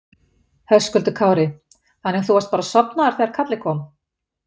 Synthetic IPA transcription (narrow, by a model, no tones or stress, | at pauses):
hœskʏlt̪ʏkʰaːwɾɪ | hanːɛθuast̪̚paːɾasɔpnaaɾ̥θɛɣaɾ̥kʰat̪lɪkʰɔːm